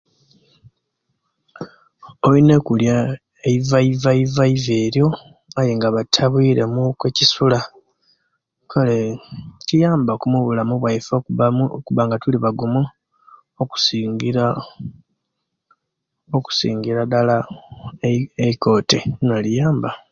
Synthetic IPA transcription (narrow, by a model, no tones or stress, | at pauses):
oine̞kulja | eivaivaivaive̞ːɾjo̞ | ajeŋɡaβatʰːaβwiːɾe̞mukwecisula | kʰaletijaːmbakumuβulamuβwaifoakuβaŋɡatuliβaɡumu | oku̥si | oku̥sḭːŋɡiɾadala | eiko̞ːtenolijaːmba